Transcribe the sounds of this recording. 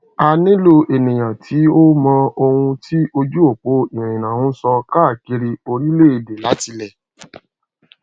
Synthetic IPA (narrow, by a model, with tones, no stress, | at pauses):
a˧nĩ˦lo˧ʔe˨nĩ˨j̃ã˨tʰi˨˦o˦mɔ̃˧o˧hũ˧tʰi˦ʔo˧d͡ʒu˦o˦˨k͡po˦i˨ɾ̃ĩ˨nã˨hũ˦sɔ˧ka˦˨ki˧ɾi˧o˧ɾi˦le˦i˨de˨la˨˦ti˧lɛ˨